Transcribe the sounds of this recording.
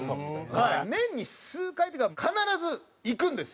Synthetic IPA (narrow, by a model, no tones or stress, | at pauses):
hainẽ̞ɲ̟ːisɨːkait̪eɡakʰanaɾazɨ | ikɯ̟̃nd̪e̞s